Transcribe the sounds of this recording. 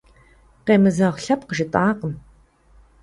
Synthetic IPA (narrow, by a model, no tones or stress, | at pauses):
qeːmɨzɐʁɬɐpqəʒɪtʼaːqəm